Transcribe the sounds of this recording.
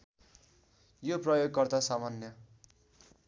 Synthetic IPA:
joprʌjoɡ̚kʌrt̪asamanjʌ

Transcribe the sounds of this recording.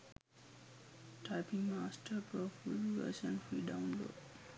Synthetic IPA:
ʈʰaɪpĩŋmaːsʈʰəɾpoːfulʋə̰sə̃nfɾiːɖãʊ̃nlo̰ːʈ

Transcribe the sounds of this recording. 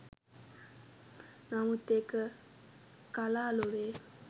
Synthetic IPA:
namot̪ekə | kalalore

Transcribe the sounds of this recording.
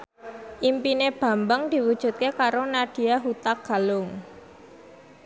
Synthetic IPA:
ʔimpineb̥a̤mbəŋd̪̥i̤wud̥ʒ̥ṳt̪̚kekaɾonad̪̥i̤aɦut̪ak̚ɡ̥a̤lʊŋ

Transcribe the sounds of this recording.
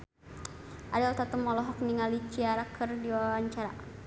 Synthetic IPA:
ʔadɔlt̪at̪umɔlɔɦɔk̚niŋalit͡ʃiaɾakʰərdiwawaɲt͡ʃaɾa

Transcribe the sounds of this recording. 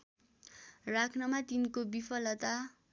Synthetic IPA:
rakʰnʌmat̪inkobipʰʌlʌt̪a

